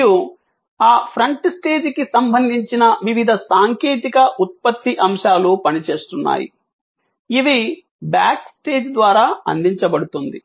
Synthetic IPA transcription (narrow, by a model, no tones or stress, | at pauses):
ju | aːpʰɾɐɳʈsʈe̞ːd͡ʒkisɐmbʱɐnd̪ʱiɲt͡ʃinɐʋiʋid̪ʱɐsaːŋkeːt̪ikɐʔut̪̚pɐt̪ːiʔɐmʂaːluːpɐnit͡ʃe̞ːst̪unːa̰ːjḭ | iʋi | ba̰ːksʈe̞ːd͡ʒd̪ʋaːɾaːɐ̰nd̪iɲt͡ʃɐbɐɽut̪und̪i